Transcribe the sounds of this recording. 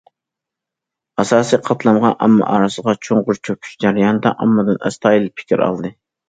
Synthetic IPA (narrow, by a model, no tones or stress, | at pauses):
ɑsɑːsijqʰɑt̪lˠɑmʁɑnʔɑ̰mːɑ̰ʔɑːɾɨsəʁɑt͡ʃʰoŋʁʊɾt͡ʃʰøkʲʰy̥ʃd͡ʒæɾijɑnɨd̪ɛ̰ʔɑ̰mːɨd̪ɨnɛ̰st̪ʰɑːjilˠpʰɪ̥kʲiɾɑ̰lˠd̪ɨ